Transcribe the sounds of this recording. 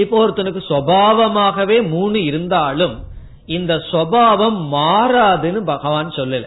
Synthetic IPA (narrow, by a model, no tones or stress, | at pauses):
ɪpːoːɾt̪ːɯnɯkːɯsʋɐbaːʋɐmaːɣɐʋeːmuːɳɯɪɾɯnd̪aːlɯm | ɪnd̪ɐsʋɐbaːʋɐmːaːɾaːðɯnɯbɐɣɐʋaːnsɔlːɪlːɐ